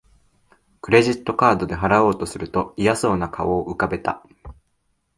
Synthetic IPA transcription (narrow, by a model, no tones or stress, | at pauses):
kɯ̟ɾe̞ʑit̪ːo̞kaːd̪o̞d̪e̞ɦaɾao̞ːt̪o̞sɨɾɯ̟t̪o̞ijaso̞ːnakaoːʔɯ̟kabe̞t̪a̰